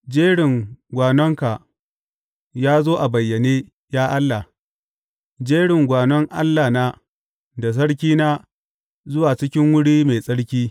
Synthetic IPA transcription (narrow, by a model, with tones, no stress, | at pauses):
d͡ʒeː˦ɽɪ˨ŋɡʷaː˨nɔ˦ŋka˨ʔ | jaː˦zoː˦ʔa˨bɐ˨jːɐ˨neː˦ | jaː˦ʔa˦lːa˨ | d͡ʒeː˦ɽɪ˨ŋɡʷaː˨nɔ˦ŋʔa̰˦lːa˨naː˦ | da˨s̬ɐ˦ɽkʲiː˦naː˦ | zʊ˦waː˨t͡ʃɪ˦kʲɪ˦ŋwʊ˦ɽiː˦meː˨sʼɐ˦ɽkʲiː˦